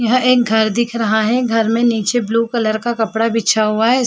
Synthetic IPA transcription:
jɐɦʔeːk̚ɡʱɐɾd̪ɪkʰɾɐɦaɦɛɡʱɐɾmẽniːt͡ʃebluːkɐləɾkakɐpɽabʱitːt͡ʃʰaɦuaɦɛ

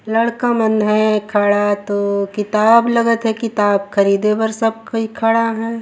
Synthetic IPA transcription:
lɐɽkamɐnɦɛkʰaɽat̪okɪt̪aːblɐɡət̪ɦɛkɪt̪aːb̚xɐɾiːd̪ebɐɾsɐb̚koikʰaɽaɦɛ̃ː

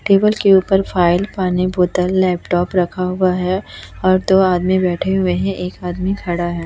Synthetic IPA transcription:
ʈeːbəlkeuːpəɾfaːɪlpaːniboːt̪əlːɛːpʈɔːpɾɐkʰaɦʊaɦɛɔːɾd̪oːaːd̪mĩbɛːʈʰeɦʊeɦɛ̃ʔeːkaːd̪mikʰɐɽaɦɛː

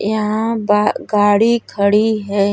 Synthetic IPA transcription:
jɐɦãbaɡaːɽikʰəɽiɦɛː

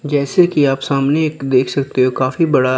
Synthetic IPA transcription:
d͡ʒɛːsekiaːpsaːmnekd̪eːkʰsɐk̚t̪eɦokaːfibɐɽa

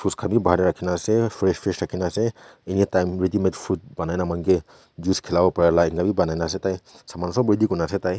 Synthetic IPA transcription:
pʰuskʰabibaaɾɛɹakʰinasɛpʰɹɛspʰɹɛsɹakʰinasɛeniɛtajmɹedimetpʰut̚banajnamankɛ | zuskʰɛlabɔpaɹalaɛŋkabibanajnas̬ɛtajsamansɔbɔidikunasɛtaj

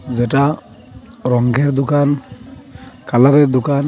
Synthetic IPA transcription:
zɛʈa | ɾɔŋɡʱɛɾd̪ukan | kalaɾɛd̪ukan

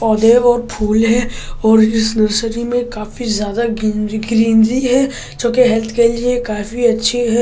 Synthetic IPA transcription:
pɔːd̪eːʋɔːɾpʰuːlɦɛɔːɾɪsnɐɾsəɾimẽkaːfizjaːd̪aɡɡɾiːnziɦɛ | d͡ʒõːkeɦɛlt̪ʰkeliekaːfiɐtːʃʰeɦɛ

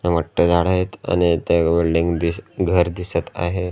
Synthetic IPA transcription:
eməʈːəd͡zʱaɽaet̪a̰ñit̪eʋeɭɖiŋɡd̪isɡʱəɾd̪isət̪a̰ɦe

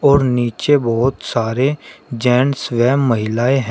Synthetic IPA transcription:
ɔːɾniːt͡ʃebɔːʊt̪saːɾed͡ʒɛːnsʋɛːmːəɦɪlaːeɦɛ̃

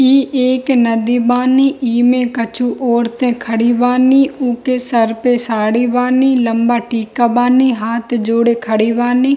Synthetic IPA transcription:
iːeːknəd̪iːbaːniːʔiːmẽːkət͡ʃʰuːʔɔːɾt̪ẽːkʰəɽiːʋaːniːʊkeːsəɾpeːsaːɽiːʋaːniːləmbaːʈiːkaːbaːniːɦaːt̪d͡ʒoːɽeːkʰəɽiːʋaːniː

